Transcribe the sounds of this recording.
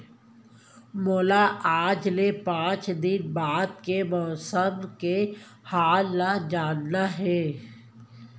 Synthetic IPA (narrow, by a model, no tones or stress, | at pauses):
moːlaʔaːd͡ʒlepãːt͡ʃd̪ɪnbaːd̪̚kemɔːsəmkehaːlnad͡ʒaːnːaɦɛː